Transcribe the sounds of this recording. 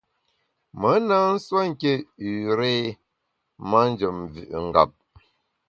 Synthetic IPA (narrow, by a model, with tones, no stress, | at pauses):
mə˨˦na˦n̩˦swa˦ŋ̩˦˨ke˦ʉ˨ɾe˦ | ma˦n˦d͡ʒə˨mvʉ̰˨ʔŋ̩˨ɡa̰˨p̚